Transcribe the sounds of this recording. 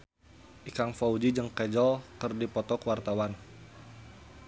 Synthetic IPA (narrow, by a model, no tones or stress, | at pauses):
ʔikaŋfaud͡ʒid͡ʒəŋkɛd͡ʒɔlkɨrdipɔt̪ɔkwart̪awan